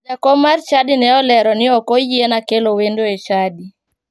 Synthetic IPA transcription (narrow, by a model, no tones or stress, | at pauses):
akɔmart͡ʃadɪnɛɔlɛɾɔnɪɔkojienakelowendoet͡ʃadi